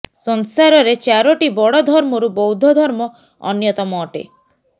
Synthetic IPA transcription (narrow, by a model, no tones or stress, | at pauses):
sɔnsaɾɔɾet͡ʃaɾɔʈibɔɽɔd̪ʱɔɾmɔɾubɔwd̪ʱɔd̪ʱɔɾmɔ | ɔ̰njɔt̪ɔmɔːʈḛ